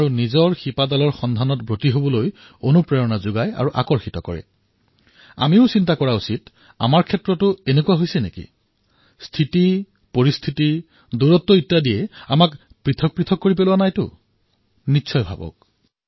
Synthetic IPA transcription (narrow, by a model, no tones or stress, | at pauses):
aɹunizɔɹxipadalɔɹxɔndʱanɔtbɹotiɦobɔloj | onupɹeɹɔnazuɡaja̰ɹuʔa̰kɔɹxitɔkɔ̰ɹɛ̰ | a̰miʊsintakɔɹausit | a̰maɹkʰɛtɹɔtʊenekuwaɦojsɛnḛkḭ | stʰiti | poɹistʰiti | duɹɔtːɔitːadijɛamak | pɹitʰɔk̚pɹitʰɔkːoɹipelʊanajtʊ | nitːsʰɔjbʱa̰bɔ̰k̚